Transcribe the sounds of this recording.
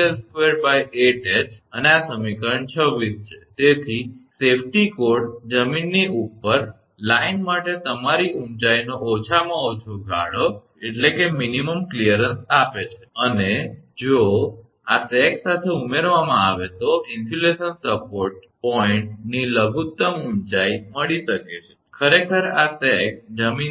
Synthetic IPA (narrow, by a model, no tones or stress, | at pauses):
elskʋeɾbajeʈet͡ʃəneasəmikəɾəɳt͡ʃʰəʋis̚t͡ʃʰet̪et̪ʰisepʰʈikoɾɖd͡ʒəminːiʔupːəɾ | lainmaʈet̪əmaɾiũɳt͡ʃainoʔot͡ʃʰamãot͡ʃʰoɡʱa̰ɽo | eʈlekeminiməmklijəɾənsapet͡ʃʰe̥əned͡ʒo | asɛksat̪ʰeumeɾʋamãaʋet̪oʔɪnsilesənsəpoɾʈ̚pɔiɳʈniləɡʱut̪ːəmuɳt͡ʃajməɭiʃəket͡ʃʰekʰəɾekʰəɾasɛkd͡ʒəmin